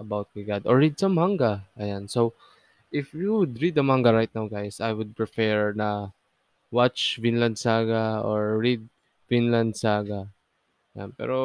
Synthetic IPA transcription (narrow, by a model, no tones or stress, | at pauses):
ʔɐbawt̪̚maɡad̪ɔɹɹid̪sãmhaŋɡaʔɐjansow | ʔɪfjuwʊd̪ɹid̪ɐmaŋɡaɹajt̪̚nawɡajsajwʊd̪̚pɹɪpɛɹnɐ | wat͡ʃfɪ̃nland̪saɡaoɹːid̪̚ | fĩnlãnd̪saɡa | ja̰npɛ̰ɾo